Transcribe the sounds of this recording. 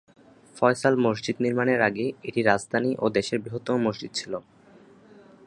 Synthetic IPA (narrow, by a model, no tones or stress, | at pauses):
fɔesalmosd͡ʑid̪niɾmaneɾaɡeiʈiɾad͡ʑd̪ʱaniʔod̪eʃeɾbɾiɦot̪ːomomoʃd͡ʑid̪̚t͡ɕʰilo